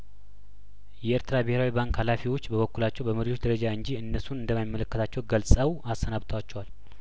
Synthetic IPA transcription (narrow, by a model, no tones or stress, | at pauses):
jɛeɾt̪ʰɨɾabɨheɾawibaŋkhalafiwo̞t͡ʃːbəβəkːulat͡ʃːɛwbəməɾiwo̞t͡ʃd̪əɾəd͡ʒaɨɲd͡ʒiɨnːəsunɨnd̪əmajimːələkːət̪ʰat͡ʃːɛwɡəlsʼəwast̪ʰənaβt̪ʰəwat͡ʃːɛwal